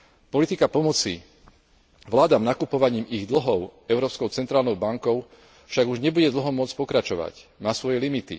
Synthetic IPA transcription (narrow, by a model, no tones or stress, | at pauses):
pɔlit̪ikapɔmɔt͡si | ʋlaːd̪amnakupɔʋaɲiːmiɣd̪l̩ɦɔʊɛʊɾɔːpskɔʊt͡sɛnt̪ɾaːlnɔʊbaŋkɔʊ | fʃaɡuʒɲɛbuɟɛd̪l̩ɦɔmʊɔt͡spɔkɾat͡ʃɔʋa̰cmaːsʋɔjɛlimit̪ḭ